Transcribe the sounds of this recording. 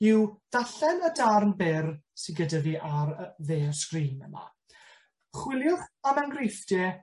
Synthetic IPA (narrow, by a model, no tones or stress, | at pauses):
ɪwd̥aɬɛnədarnbɪrsɪnɡədaviːʔaɾəveːrskriːmə̰na̰ | χwɪlˠjʊχamanɡrejfd̥jɛ